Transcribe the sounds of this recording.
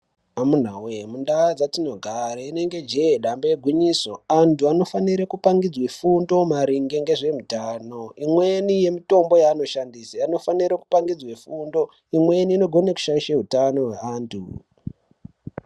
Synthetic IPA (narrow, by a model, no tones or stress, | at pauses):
amun̤awemundad͡zatino̞ɡʱaɾaine̞ŋɡe̞d͡ʒeɗambeɡʱwiɲiːso̞antuano̞faniɾekupaŋɡid͡zwefundo̞maɾiŋɡe̞ŋɡe̞ʐe̞mutaːno̞imwe̞nije̞mito̞mbo̞jaːno̞ʃandisaano̞faniɾaku̥paŋɡid͡zwefundo̞ | imwe̞niːno̞ɡʱo̞neku̥ʃaiʃeɦutano̞ɦweaːntʰṵ